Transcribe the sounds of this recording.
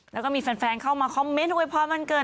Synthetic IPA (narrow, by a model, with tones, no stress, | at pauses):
lɛː˧˦˥wkɔː˥˩miː˧fa˧nfɛː˧nkʰa˥˩wmaː˧kʰɔ˧˥mːe˦˥nu˧˥˧jpʰɔː˧˩ma˧˥nkɤː˧˩